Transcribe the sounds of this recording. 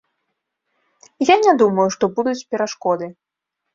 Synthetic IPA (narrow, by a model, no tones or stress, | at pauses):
janʲad̪umɐjuʂt̪ɔbud̪ut͡sʲpʲɛɾaʂkɔd̪ɨ